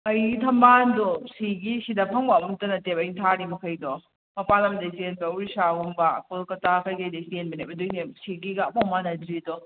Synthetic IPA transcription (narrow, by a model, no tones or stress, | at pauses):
ɐjɡitʰɐmbandɔsiɡisidɐpʰɐŋbɐːmumtɐnɐtep̚ɐjntʰaɾimɐkʰɐjdɔ | mɐpalɐmdɐsenbɐwɾisaɡumbɐkolkɐtakʰajɡɐjdɐssenbɐnemɐdujnesiɡiɡɐːmamanɐdɾidɔ